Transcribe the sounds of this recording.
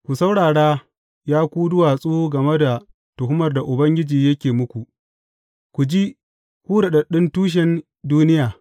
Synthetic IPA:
kʷu˨sa˦wɽaː˨ɽaː˦ | jaː˦kʷuː˦dʊ˦waː˨sʼuː˦ɡɐ˨me˦da˨ | tʊ˨hɦʊ˦mɐ˨rda˨ʔʊ˨bɐ˦ŋɡʲɪ˦d͡ʒiː˨jɐ˦kʲeː˨mʊ˦kʷu˨ʔ | kʷu˨d͡ʒiː˦ | kʷuː˦da˨ɗɐ˨ɗɪ˦ntuː˦ʃ̬ɛ˦n | duː˦nɪ˦jaː˨

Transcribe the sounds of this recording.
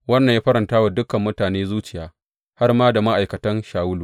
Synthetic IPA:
wɐ˦nːɐ˨jaː˦ɸɐ˦ɾɐ˨ntaː˦wa˨dʊ˦kɐ˨mːʊ˦taː˨neː˦zuː˦t͡ʃɪ˨jaː˦ | ha˦rmaː˦da˨ma˦ʔa˨jkɐ˨tɐ˦nʃaː˨wʊ˦luː˨

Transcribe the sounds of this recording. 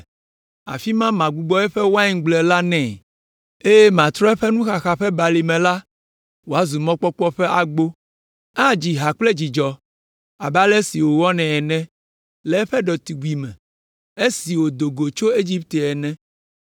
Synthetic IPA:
a̰˨fi˦mã˦mã˨ɡ͡bu˦ɡ͡bɔ˦ɛ˦ɸɛ˦wo˦a˦ĩ˦ŋ˦ɡ͡blɛ˨la˦nɛ̃˦˨ | e˦je˦mã˨t̪ɾɔ˦ɛ˦ɸɛ˦nũ˦xa˨xa˨ɸɛ˦ba˨li˨mɛ̃˨la˦ | wo˨a˦zu˨mɔ̃˦k͡pɔ˦k͡pɔ˦ɸɛ˦ʔa˨ɡ͡bo˦ | a˦d͡ʑi˨ɦa˨k͡ple˦d͡ʑi˨d͡ʒɔ˨ | a˨bɛ˦a˦lɛ˦si˨wo˨wɔ˦nɛ̃˨ɛ˨nɛ̃˦ | lɛ˨˦ɸɛ˦ɖɔ˨t̪i˨ɡu˨i˨mɛ̰̃˨ | e˦si˨wo˨d̪o˨ɡo˨t͡ʃo˦e˦d͡ʑi˦p̚t̪e˨ɛ˨nɛ̃˦

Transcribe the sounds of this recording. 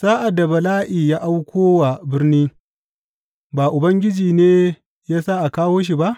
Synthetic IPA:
saː˦ʔa˨dːa˨bɐ˨laː˦ʔiː˨jaː˦ʔa˦wkʷoː˦wa˨bɪ˦rniː˦ | baː˨ʔʊ˨bɐ˦ŋɡʲɪ˦d͡ʒiː˨neː˦ | jaː˦sa˦ʔa˨kaː˦woː˦ʃ̬i˨ba˦ʔ

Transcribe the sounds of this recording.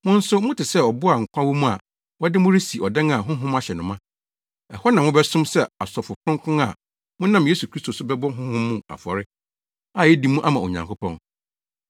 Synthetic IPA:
mʊ̃˦n̩˦sʊ˦mʊ̃˦tʰɪ˨sɛ˦ɔ˨bʊ˦a˨ŋ̩˨kʷʰã˦wu˦mũ˦a̰˨ | wɔ˦dɪ˦mʊ̃˦ɾi˦si˨ɔ˨dɛ̃˦ŋa˨ɦʊ̃˦ɦʊ̃˦ma˦ɕɛ˨nʊ̃˨mã˦ | ɛ˨hɔ˦nã˨mʊ̃˦bɛ˦sʊ̃˦msɛ˦a˨sɔ˨fʊ˨kʰʊ̃˦ŋ˦kʰʊ̃˦a̰˨ | mʊ̃˦nã˦mje˦su˨kʰɾi˦stʰo˨sʊ˦bɛ˦bɔ˦ɦʊ̃˦hʊ̃˦mːũ˦˨a̰˨fɔ˨ɾɪ˦ | a˦˨jɛ˦di˨mũ˦ʔa˦mã˨o̰˨ɲã̰˨ŋkʰʊ˦pʰɔ̰̃˦n

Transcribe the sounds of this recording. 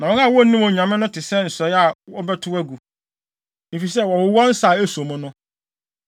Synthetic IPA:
nã˨wɔ̃˦a˦˨wɔ˦nĩ˦mõ˨ɲ˨ã˨mɪ̃˦nʊ̃˦tʰɪ˨sɛ˦˨n̩˨sɔ˨˦a˨ɔ˦bɛ˦tʰʊ˦æ˦ɡu˨ | nĩ˨fi˨sɛ˦˨wɔ˨wʊ˨˦wɔ˦n̩˦sa˨e˦sõ˨mʊ̃˦nʊ̃˦

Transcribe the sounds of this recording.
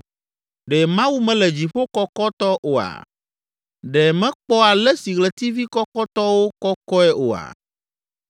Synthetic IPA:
ɖɛ˨mã˦wu˦mɛ̃˦lɛ˨d͡ʑi˨ɸo˦kɔ˦kɔ˦t̪ɔ˦ʔo˨a̰˨ | ɖɛ˨mɛ̃˦k͡pɔ˦a˨lɛ˦si˨ɣlɛ˨t̪i˦vi˦kɔ˦kɔ˦t̪ɔ˦wo˦kɔ˦kɔ˦ɛ˦ʔo˨a̰˨

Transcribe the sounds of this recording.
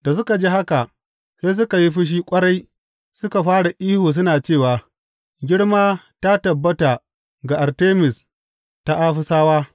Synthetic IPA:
da˨s̬ʊ˦ka˨d͡ʒiː˦ha˦ka˨ | seː˦s̬ʊ˦ka˨ji˦ɸɪ˦ʃ̬iː˦kʷʼɐ˦ɽa˦j | sʊ˦ka˨ɸaː˦ɽa˨ʔiː˦hoː˨s̬ʊ˦naː˨t͡ʃeː˦˨waː˨ | ɡʲɪ˦ɽmaː˦ | ta˦tɐ˨bːɐ˦ta˨ | ɡa˨ʔa˨ɾteː˦mɪ˨s | ta˦ʔa˦ɸʊ˦saː˦waː˦

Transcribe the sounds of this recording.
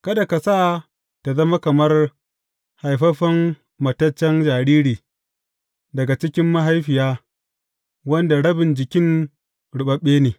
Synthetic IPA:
kɐ˦da˨ka˨saː˦˨ | ta˨zɐ˦ma˦kɐ˨mɐ˦r | ha˨jɸɐ˦ɸɐ˦mː | ɐ˨tɐ˦t͡ʃːɛ˦nd͡ʒaː˨ɽiː˦ɽiː˨ | dɐ˨ɡa˨t͡ʃɪ˦kʲɪ˦mːɐ˦ɦa˦jɸɪ˨jaː˦ | wɐ˦nda˨ɽɐ˦bɪ˨nd͡ʒɪ˨kʲɪ˦ŋ | ɽʊ˨ɓɐ˦ɓːeː˦neː˨

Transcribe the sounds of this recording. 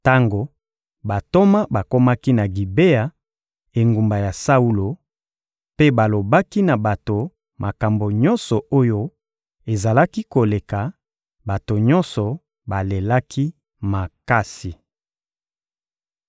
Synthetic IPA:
ta˦ŋɡo˨ | ba˨to˦ma˦ba˨ko˦ma˦ki˦na˨ɡi˨be˦a˨ | e˨ŋɡu˨mba˨ja˨sa˦u˦lo˨ | pe˦ba˨lo˨ba˦ki˦na˨ba˨to˨ | mʔa˨ka˨mbo˨ɲɔ˦nsɔ˨ʔo˦jo˦ | e˨za˨la˦ki˦ko˨le˨ka˨ | ba˨to˨ɲɔ˦nsɔ˨ | ba˨le˨la˦kʰi˦ | ma˨ka˦si˨

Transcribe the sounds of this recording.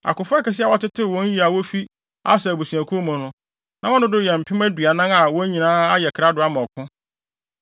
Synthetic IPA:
a̰˨kʊ˨fʊ˦ɛ˦kɛ˨s̬ɪ˦a˨wɔ˦tɪ˦tʰɪ˦˨wɔ̃˦n̩˦i˦a˨wɔ˦fi˦ | a̰˦sɛ˨bu˨sũ˨æ˨kʰu˦o˦mʊ̃˨nʊ̃˦ | nã˨˦ɔ̃˦nʊ̃˦dʊ˦jɛ˨m̩˨pʰɪ̃˦mæ˦dɥa˨nã˦na˨wɔ˦ɲĩ˨nãː˦a˦jɛ˨kʰɾa˦dʊ˨a˦mɔ̃˨kʰʊ̃˦

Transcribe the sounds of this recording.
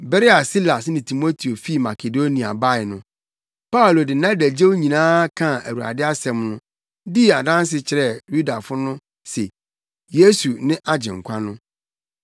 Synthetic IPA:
bɛ˦ɾe˦a˨si˦la˨snɪ̃˨tʰi˨mo˦tʰi˨o˨fi˦˨ma˨kʰe˨do˦nĩ˨a̰˨ba˦ɪ˨nʊ̃˦ | pa˦u˨lo˨dɪ˨nã˦dæ˨d͡ʑe˦wɲĩ˨nãː˦kʰã˦˨æ˨wu˨ɾa̰˨dɪ˦a˦sɛ̃˨mnʊ̃˦ | di˦˨a˨dã˦n˦s̬ɪ˨t͡ɕʰɪ˨ɾɛ˦˨ju˦da˨fʊ˦nʊ̃˦ | sɛ˨ | je˦su˨nɪ̃˦ʔa˦d͡ʑɪ̃˨ŋ̩˨kʷʰã˦nʊ̃˦

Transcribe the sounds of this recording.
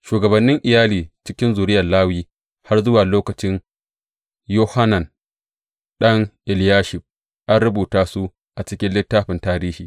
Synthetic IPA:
ʃuː˨ɡɐ˨bɐ˨nːɪ˦ŋʔɪ˨jaː˦liː˨t͡ʃɪ˦kʲɪ˦nzuː˨ɾɪ˦jɐ˨laː˦wiː˦ | ha˦rzʊ˦waː˨loː˦kɐ˨t͡ʃɪ˦n | joː˦ha˦na˨n | ɗɐ˦ŋʔɪ˨ljaː˦ʃɪ˨ɸ | ʔa˦nɽʊ˦buː˨taː˦su˦ | ʔa˨t͡ʃɪ˦kʲɪ˦nlɪ˦tːaː˦ɸɪ˨ntaː˨ɾiː˦hiː˨

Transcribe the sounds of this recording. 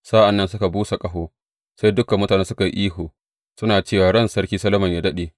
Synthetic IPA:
sa˦ʔa˨nːɐ˦nsʊ˦ka˨buː˦sa˨kʼɐ˦ɦoː˦ | sa˦jdʊ˦kɐ˨mːʊ˦taː˨neː˦sʊ˦ka˨ji˦ʔiː˦ɦoː˨ | sʊ˦naː˨t͡ʃeː˦˨waː˨ɽɐ˦˨nsɐ˦ɾkʲiː˦sɐ˦lɐ˦mɐ˨ɲjaː˨dɐ˦ɗeː˨

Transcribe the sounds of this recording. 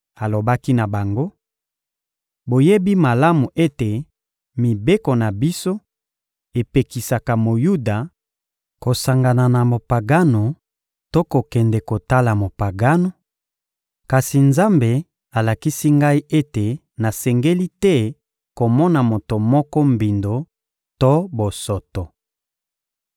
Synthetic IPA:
a˨lo˨ba˦ki˦na˨ba˨ŋɡo˦ | bo˨je˦bi˦ma˨la˦mu˨ʔe˦te˨ | mi˨be˦ko˨na˨bi˦so˦ | e˨pe˨ki˨sa˨ka˨mo˨ju˦da˨ | ko˨sa˨ŋɡa˨na˨na˨mo˨pa˨ɡa˦no˨ | to˦ko˨kɛ˨ndɛ˨ko˨ta˦la˨mo˨pa˨ɡa˦no˨ | ka˨si˨nza˦mbe˨ | a˨la˨ki˦si˦ŋɡa˦i˦e˦te˨ | na˨sɛ˨ŋɡe˦li˦tɛ˦ | ko˨mɔ˦na˨mo˨to˨mɔ˦kɔ˦mbi˨ndo˨ | to˦bo˨sɔ˨to˨

